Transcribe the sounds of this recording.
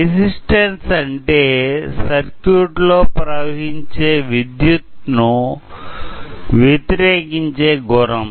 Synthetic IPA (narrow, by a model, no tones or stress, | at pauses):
isisʈɐnsɐɳʈeːsɐɾkjuʈloːpɾɐʋɐɦiɲt͡ʃeːʋid̪jut̪nu | ʋet̪iɾeːkiɲt͡ʃe̞ːɡuɾɐm